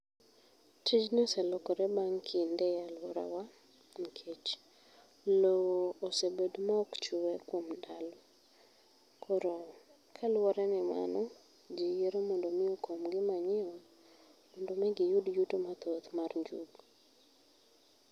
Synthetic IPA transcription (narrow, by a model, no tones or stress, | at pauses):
t͡ʃid͡ʒnɔsɛlɔkɔɾɛbaŋkʰɪndɛjalwɔɾa̰wa | n̩kʰet͡ʃ | lowoːsebedmaɔkt͡ʃʊwɛkwomdalɔ | kʰɔɾo | kʰalwɔɾanɪma̰nɔ | d͡ʒijeɾomɔndomɪokomɡɪmaɲɪɔ | mɔndomɛɡɪjudjutomat̪ot̪marɲd͡ʒuɡ